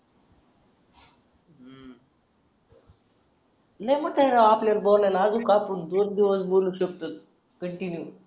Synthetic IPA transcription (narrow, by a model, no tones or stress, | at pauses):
najməʈ̪ʰaɦɾaapljalboɾlalaːd͡zukapəɳd̪ond̪iʋəsboluːɕək̚t̪at̪̚ | kəɳʈinju